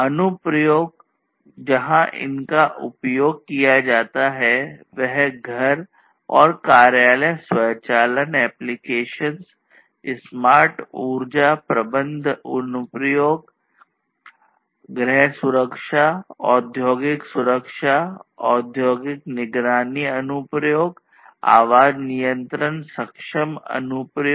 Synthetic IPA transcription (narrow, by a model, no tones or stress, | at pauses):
ɐnʊpɾjoːɡ̚ | d͡ʒɐɦãʔɪ̰nkaʔʊ̰pjoːɡ̚kijad͡ʒaːt̪aɦɛʋɛɦɡʱɐɾ | ɔːɾkaːɾjaːlɛswɐjt͡ʃaːlənɛːplɪkeːʃəns | ɪsmaːɾʈuːɾd͡ʒapɾɐbə̃nd̪ʱʊnʊpɾjoːɡ | ɡɾɛɦsʊɾəkʃaɔːd̪ʱjoːɡɪksʊɾəkʃaɔːd̪ʱjoːɡɪknɪɡɾaːniɐnʊpɾjoːɡ | a̰ːʋaːd͡ʒnijə̃nt̪ɾənsɐkʃəmɐ̰nʊpɾj